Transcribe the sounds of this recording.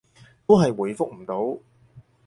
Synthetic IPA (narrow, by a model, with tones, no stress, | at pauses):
t̪o˥wɦɐ˨jwuː˨˩jfʊ˥k̚m̩˨˩t̪o˨˥w